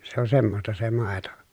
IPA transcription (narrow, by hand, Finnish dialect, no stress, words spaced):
se on semːostɑ se mɑˑeto